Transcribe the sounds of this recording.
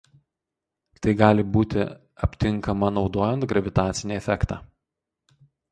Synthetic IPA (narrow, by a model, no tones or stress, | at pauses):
t̪ɐɪɡɑːlʲɪbuːt̪ʲɪ̰ | ɐpʲt̪ʲɪŋˑkɐmɐnɒʊd̪oːjɛnt̪ɡɾɐʋʲɪt̪ɑːt̪sʲɪnʲiːɛfʲɛkt̪ɑ̰ː